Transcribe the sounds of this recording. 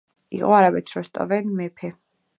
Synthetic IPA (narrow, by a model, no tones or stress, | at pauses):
ḭqʼɔaɾabɛt̪ʰɾɔst̪ʼɔ̰vɛnmɛpʰɛ